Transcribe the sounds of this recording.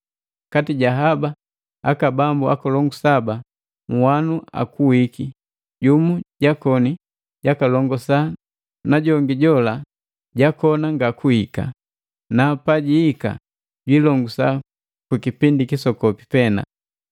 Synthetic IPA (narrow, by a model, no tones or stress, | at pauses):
katiɟaɦaba | akabambua̰kɔlɔŋɡusaba | ŋ̩wanua̰kuwiki | ɟumuɟakɔni | ɟakalɔŋɡɔsa | naɟɔŋɡiɟɔla | ɟakɔnaŋɡakuhika̰ | napaɟiːka̰ | ɟwilɔŋɡusa | kwikipindikisɔkɔpipɛna̰